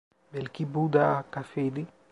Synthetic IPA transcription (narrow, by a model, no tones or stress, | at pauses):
belkibud̪akafed̪i